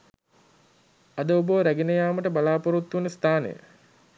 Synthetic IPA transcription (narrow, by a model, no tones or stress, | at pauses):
ɐd̪əoboʋɾæɡinəjaːməʈəbalaːpoɾut̪ːunəst̪ʰaːnə̰jə̰